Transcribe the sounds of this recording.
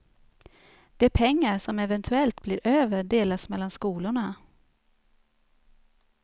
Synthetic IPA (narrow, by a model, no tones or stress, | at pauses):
d̪̥ɛæɾpʰɛŋːaɾʂɔmɛvɛnt̪ʰɵɛlt̪blɪɾʔøːvəɖeːlasmɛlːanskuːlʊɳa